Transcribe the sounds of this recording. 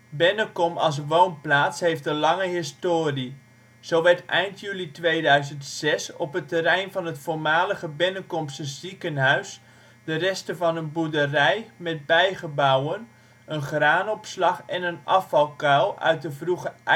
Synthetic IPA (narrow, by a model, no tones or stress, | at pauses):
bɛnəkɔmɑ̰lˠs̬ʋownplaːtshejft̚dəlɑŋəɦɪstoːri | z̥owʋɛɹtɛjntʰjylitʋejdœɥzəntsɛsɔpɦətərɛjnvɑnɦətfoːɹmaːləɣəbɛnəkɔmsəzikənɦœɥs | d̥ərɛstəvɑnənbudərɛjmɛt̚bɛjχəbawən | ənχraːnɔpslɑχɛnənɑfɑlˠkawœ̰ɥt̚dəvruχə